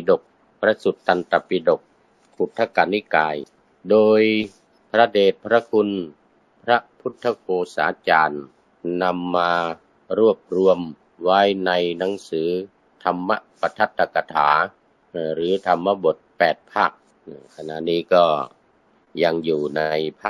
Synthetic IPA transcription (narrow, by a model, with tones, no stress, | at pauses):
i˧do˨˩k̚ | pʰɾa˦˥su˨˩t̪ʰːa˧nt̪a˨˩pi˧do˨˩k̚ | pʰu˨˩t̪ʰːa˧ka˨˧ni˦˥˩kaː˧j | doː˧j | pʰɾa˦˧˥deː˨˩t̪̚pʰɾa˦˧˥kʰu˧n | pʰɾa˦˥pʰu˦˥t̪ʰːa˧kʰoː˧sa̰ː˨˦t͡ɕaː˧n | na˧mːaː˧ | ɾu˥˩əp̚ɾu˧əm | waː˦˥jna˧jna˩˨˦ŋsɯː˩˦ | t̪ʰa˧mːa˦˥pa˧t̪ʰa˦˥t̪ʰːa˧ka˧t̪ʰa̰ː˩˦˧ | ɾɯː˩˦t̪ʰa˧mːa˧˥bo˨˩t̪̚pɛː˨˩t̪̚pʰaː˥˩k̚ː | kʰa˧na̰˨˩ʔniː˦˥kɔː˥˩ | ja˧ŋjuː˨˩na˧jpʰa˥˩